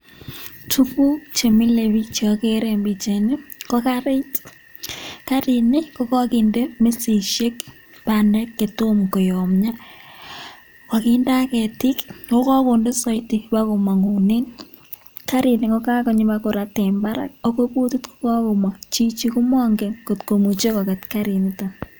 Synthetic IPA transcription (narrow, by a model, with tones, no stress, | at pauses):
tʰu˦ku˦kt͡ʃe˨mi˦le˨βi˦t͡ʃɔke˦ɾe˨mbi˨t͡ʃe˨ni˦kɔ˦kaɾe˦t | kaɾi˨nɪ˦ko˦kɔ˦ki˨nde˦mi˦si˨ʃe˦k | pa˨nɛ˦kːe˨to˦mko˨jɔ˨mɲa˦ | wa˨kinda˦kɛ˨ti˦kko˦kɔ˦ko˨nde˦sɔ˦jti˨pa˦ko˨ma˨ŋu˨ni˦n | ka˦ɾi˨ni˨ko˦ka˦ko˦ɲi˦makʊ˨ɾa˨te˨mba˦ɾa̰˦k̚o˦ko˦pu˦tu˦tkʊ̥˦kɔ˦ko˨ma˨t͡ʃi˦t͡ʃi˦ku˦mɔ˦ŋɡeko˨tko˨mu˨t͡ʃe˦kɔ˨kɛ˨tka˦ɾi˨nita˨